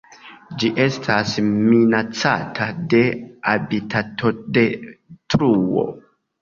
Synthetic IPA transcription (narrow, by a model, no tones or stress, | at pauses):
d͡ʒiʔe̞stʰasminat͡sa̰tʰade̞abitʰatʰodetɾuo̞̰